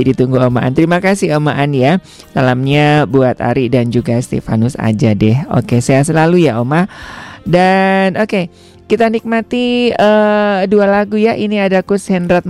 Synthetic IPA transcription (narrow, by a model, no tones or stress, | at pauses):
dit̪uŋɡuomaʔa̰nt̪əɾimakasɪhomaʔanja | salamɲabuat̪a̰ɾidand͡ʒuɡast̪ḛfa̰nʊsa̰d͡ʒadɛɦo̰kesajas̬əlalujaʔomadanoke | kit̪anik̚mat̪iədualaɡujaʔiniadakushɛnɾat̪̚